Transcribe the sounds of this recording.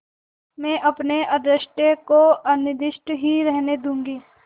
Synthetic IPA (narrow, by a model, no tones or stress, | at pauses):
mɛ̃ːʔɐpneʔɐd̪ɾɪʃʈekoɐnɪd̪ɪʃʈɦiɾɛɦned̪ũːŋɡiː